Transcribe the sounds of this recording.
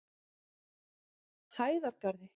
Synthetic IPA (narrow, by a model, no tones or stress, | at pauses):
haːjðaɾkaɾðɪ